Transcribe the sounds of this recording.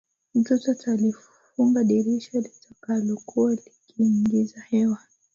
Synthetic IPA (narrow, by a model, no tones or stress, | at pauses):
m̩tɔtɔtʰali | fuŋɡaɗiɾiʃalitakalukʰualikiŋɡizahɛwa